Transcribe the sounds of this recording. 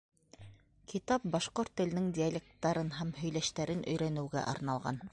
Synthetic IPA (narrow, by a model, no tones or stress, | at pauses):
kʰit̪ɑp̚bɑʃqoɾt̪ːɘ̆lnɘŋdʲialʲek̚t̪ːɑɾɤnɦæmhɵ̆jlæʃt̪æɾɘnʔɵ̆jɾænɘ̆wɡæ̰ʔɑ̰ɾnɑlˠʁɑ̰n